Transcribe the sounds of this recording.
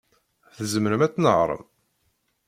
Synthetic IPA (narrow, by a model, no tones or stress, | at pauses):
θəzməɾəmæt͡sːnəʁɾˤə̰m